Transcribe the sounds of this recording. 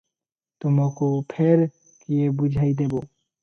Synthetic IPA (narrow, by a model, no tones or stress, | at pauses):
t̪omokopʰeɾ | kiebud͡ʒʱajd̪ebo